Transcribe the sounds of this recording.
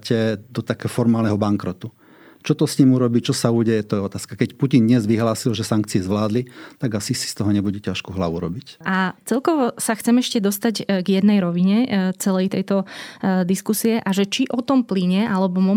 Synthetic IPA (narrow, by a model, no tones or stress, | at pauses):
cɛd̪ɔt̪akɛːɦɔfɔɾmaːlnɛɦɔbaŋkɾɔt̪u | t͡ʃɔt̪ɔsɲimuɾɔbit͡ʃɔsauːɟɛjɛt̪ɔjɛɔt̪aːskakɛcpucind̪ɲɛzʋiɦlaːsilʒɛsaŋk̚t͡siɛzʋlaːd̪lit̪aɡasisi̥st̪ɔɦɔɲɛbuɟɛcaʃkuɦlauɾɔbicʔat͡sɛlkɔʋɔsaxt͡sɛmɛʃcɛd̪ɔst̪aɟɡjɛd̪nɛjɾɔʋiɲɛt͡sɛlɛjt̪ɛjt̪ɔd̪iskusiɛʔaʒɛt͡ʃiʔɔt̪ɔmpliɲɛʔalɛbɔmɔ